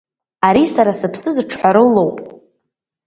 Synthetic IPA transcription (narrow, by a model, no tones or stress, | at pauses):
aɾisaɾasɨpʰsɨzʈ͡ʂʰħʷaɾɨlo̞wpʼ